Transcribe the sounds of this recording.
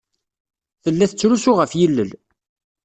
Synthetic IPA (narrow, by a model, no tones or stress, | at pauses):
θəlːæθət͡sːɾusuʁəfjilːəl